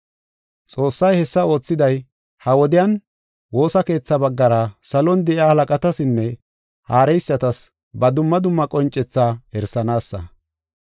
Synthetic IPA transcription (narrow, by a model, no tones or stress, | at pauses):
t͡sʼo̞ːsːɐjhɛsːɐo̞ːt͡sːɪd̪ɐj | hɐwɔd̪ɪjɐn | wo̞ːsɐke̞ːt͡sːɐbɐɡːɐɾɐsɐlɔnd̪ɛʔɪaːhɐlɐkʼɐt̪ɐsɪnːɛ | haːɾɛjsːɐt̪ɐs | bɐd̪ʊmːɐd̪ʊmːɐkʼɔnt͡ʃʼːɛt͡sːaːɛɾsɐnaːsːɐ̰